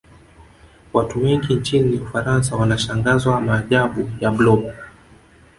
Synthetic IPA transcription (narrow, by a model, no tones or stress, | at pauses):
watuwɛŋɡint͡ʃiniufaɾans̬awanaʃaŋɡazwamaːʄaɓujablɔɓa